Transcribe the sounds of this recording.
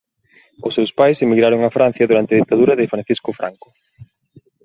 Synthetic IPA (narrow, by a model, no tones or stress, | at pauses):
ʊsːewspajsemiɣɾaɾʊŋafɾan̟θjɐðuɾant̪ɪɐðit̪ːaðuɾɐðɪfɾan̟θiskʊfɾʔa̰ŋkʊ̥